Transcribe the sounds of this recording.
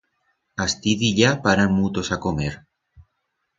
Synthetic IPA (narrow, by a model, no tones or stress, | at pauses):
ast̪iðiʎapaɾanmut̪osakomeɾ